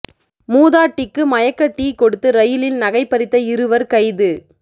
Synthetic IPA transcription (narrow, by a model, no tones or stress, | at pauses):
muːðaːʈːɪkːɯmɐjɐkːɐʈːikːɔɽɯt̪ːɯɾɐjɪlɪlnɐɣɐɪpːɐɾɪt̪ːɐɪɾɯʋɐɾkɐɪðɯ